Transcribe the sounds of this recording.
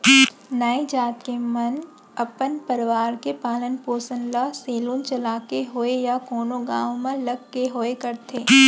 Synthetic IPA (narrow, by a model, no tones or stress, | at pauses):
nɐed͡ʒaːt̪kemɐn | ɐpənpɐɾʋaːɾkepaːlənpoːsənlaseːlũːnt͡ʃɐlaːkeɦoejakoːnõɡãːʋ̃mə̃lɐɡkeɦoekɐɾt̪ʰeː